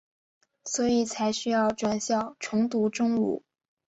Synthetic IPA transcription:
swɔ˧˥i˨˩t͡sʰa˧˥ɪɕy˥jɑ˥˩ʊʈ͡ʂwa˥˩nɕjɑ˥˩ʊʈ͡ʂʰʊ˧˥ŋt̪u˧˥ʈ͡ʂʊ˥ŋṵ˨˩˦

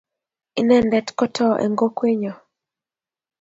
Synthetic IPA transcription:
i˦nɛ˦˨ndɛ˦tkɔ˦tʰɔ˦ʔɛ̰˨ŋɡo˦kwe˦ɲɔ˨

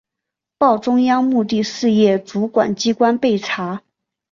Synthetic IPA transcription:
pɑ˥˩ʊʈ͡ʂʊ˥ŋjɑ˥ŋmu˥˧t̪i˥˧ʂɻ̩˥˧jɛ˥˩ʈ͡ʂu˧˥kwa̰˨˩nt͡ɕi˥kwa˥npe˥˩ɪʈ͡ʂʰa˧˥

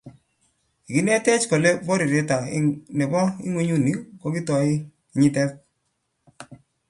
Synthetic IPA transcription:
i˨ki˦nɛ˦tɛ˦t͡ʃkɔ˨le˦bɔ˦ɾi˨ɾe˦ta˨nɛ˨bɔ˦ɪ̰˦ŋwe˦ɲu˦ni˦ko˨˦ki˦tɔ˨ɪ˦ | i˨ɲi˦tɛ˦k̚

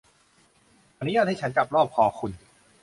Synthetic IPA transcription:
ʔa˧nu˦˥jaː˥˩t̪̚haː˥˩t͡ɕʰa˦˥nt͡ɕa˨˩p̚ɾɔː˥˩p̚kʰɔː˧˩kʰu˧n

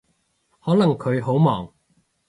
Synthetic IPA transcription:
hɔː˨˥lɐ˨˩ŋkʰɵ˨˧ɥɦo˨˥wmɔ̰ː˨˩ŋ

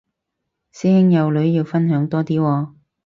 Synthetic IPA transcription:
siː˥hɪ˥ŋjɐ˨˧wlɵ˨˥ɥjiː˨˧wfɐ˥nɦœː˨˥ŋt̪ɔː˥t̪iː˥wɔː˧

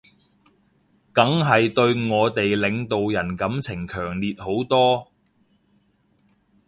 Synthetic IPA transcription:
kɐ˨˥ŋɦɐ˨jt̪ɵ˧ɥŋɔː˨˧t̪e˨jlɪ˨˧ŋt̪o˨wjɐ˨˩nkɐ˨˥mt͡sʰɪ˨˩ŋkʰœː˨˩ŋliː˨t̚ho˨˥wt̪ɔː˥

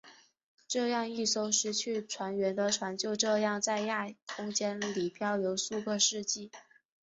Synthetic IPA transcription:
ʈ͡ʂɤ˥˧jɑ˥˧ŋi˥˩so˥ʊʂɻ̩˧˥t͡ɕʰy˥˩ʈ͡ʂʰwa˧˥nɥɛ˧˥nd̪ə˧ʈ͡ʂʰwa˧˥nt͡ɕjo˥˧ʊʈ͡ʂɤ˥˧jɑ˥˧ŋt͡sa˥˧ɪja˥˩kʰʊ˥ŋt͡ɕjɛ˥nli˨˩pʰjɑ˥˩ʊjo˧˥ʊsu˥˧kɤ˥˧ʂɻ̩˥˧t͡ɕi˥˩

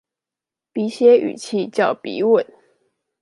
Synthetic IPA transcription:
pi˧˥ɕjɛ˥y̰˨˩t͡ɕʰi˥˧t͡ɕjɑ˥˩ʊpḭ˧˥˦wə˨˩˦n

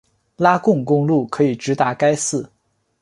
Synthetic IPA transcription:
la˥kʊ˥˧ŋkʊ˥ŋlu˥˩kʰɤ˧˥i˨˩ʈ͡ʂɻ̩˧˥t̪a˧˥ka˥ɪsɹ̩˥˩

